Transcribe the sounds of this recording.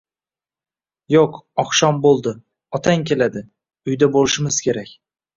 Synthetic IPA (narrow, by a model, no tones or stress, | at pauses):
joqɒχʃɒmbolˠd̪ɪ | ɒt̪ʰaŋkʲʰe̞lad̪ɪ | ʊjd̪abolɪʃɪmɪz̥kʲʰe̞ɾakʲ